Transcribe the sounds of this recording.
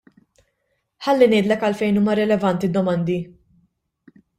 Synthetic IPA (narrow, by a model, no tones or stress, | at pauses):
ħɐlːinɪːd̪lɛkɐlfɛjnuːmɐɾɛlɛvɐnt̪id̪ːɔmɐnd̪i